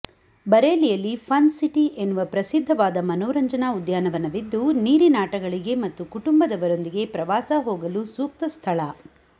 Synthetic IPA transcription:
bɐɾeːlijɐlːipʰɐnsiʈiʔe̞nːuʋɐpɾɐsid̪ʱːɐʋaːd̪ɐmɐnɔːɾɐɲd͡ʒɐnaud̪jaːnɐʋɐnɐʋid̪ːuniːɾinaːʈɐɡɐɭiɡe̞mɐt̪ːukuʈumbɐd̪ɐʋɐɾo̞nd̪iɡe̞pɾɐʋaːsɐɦoːɡɐlusuːk̚t̪ɐst̪ʰɐɭɐ

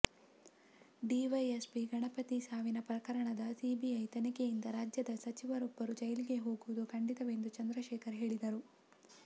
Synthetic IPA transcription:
ɖiːʋɐjespiɡɐɳɐpɐt̪isaːʋinɐpɾɐkɐɾɐɳɐd̪ɐsiːbiɐjt̪ɐnikejind̪ɐɾaːd͡ʒjɐd̪ɐsɐt͡ʃiʋɐɾɔbːɐɾud͡ʒɐjɐliɡe̞ɦo̞ːɡuʋud̪ukʰɐɳɖit̪ɐʋe̞nd̪ut͡ʃɐnd̪ɾɐʃɛːkʰɐɾɦe̞ːɭid̪ɐɾu

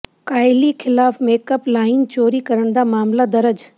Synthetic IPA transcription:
kaːɪlixʰɪlaːfmeːkəplaːɪnt͡ɕoːɾikɐɾəɽ̃d̪aːmaːmlad̪ɐɾəd͡ʑ

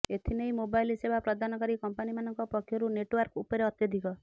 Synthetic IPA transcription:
et̪ʰinejmobajlisebʱapɾɔd̪anɔkɔɾikɔmpanimanɔŋkɔpɔkʰjɔɾuneʈwaɾkupɔɾeɔt̪jɔd̪ʱikɔ

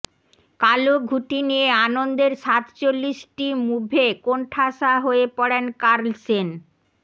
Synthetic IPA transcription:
kaloɡʱuʈinieanond̪eɾʃat̪t͡ɕolːiʃʈimubʱekoɳʈʰaʃaɦoepɔɽenkaɾlsen

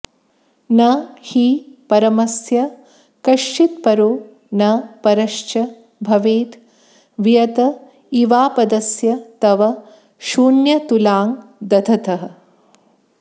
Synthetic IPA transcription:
nɐhiːpɐɾɐmɐsjɐ | kɐʃt͡ʃit̪̚pɐɾoː | nɐpɐɾɐʃt͡ʃɐ | bʱɐʋeːt̪ | ʋijɐt̪ɐ | iʋaːpɐd̪ɐsjɐt̪ɐʋɐ | ʃuːnjɐt̪ulaːŋd̪ɐd̪ʱʰɐt̪ɐɦɐ̆

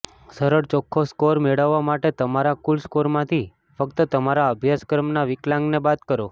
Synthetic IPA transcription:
səɾəɽt͡ʃɔkʰːoskoɾmeɭəʋːamaʈet̪əmaɾakulskoɾmãt̪ʰi | fəkt̪ət̪əmaɾaəbʱjaskɾəmnaʋɪklãŋɡnebat̪kəɾo

